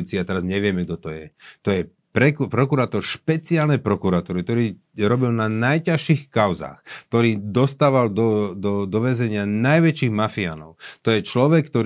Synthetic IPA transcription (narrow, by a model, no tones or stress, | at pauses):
it͡siat̪ɛɾazɲɛʋɪɛmɛɡ̚d̪ɔt̪ɔjɛt̪ɔjɛ | pɾɛkpɾɔkuɾaːt̪ɔɾʃpɛt͡siaːlnɛjpɾɔkuɾat̪ɔɾikt̪ɔɾiː | ɾɔbilnanajcaʃixkaʊza̰ːxt̪ɔɾiːd̪ɔst̪aːʋald̪ɔd̪ɔd̪ɔʋɛzɛɲɪanajʋɛt͡ʃiːɣmafia̰ːnɔ̰ʊt̪ɔjɛt͡ʃlɔʋɛkːt̪ɔɾ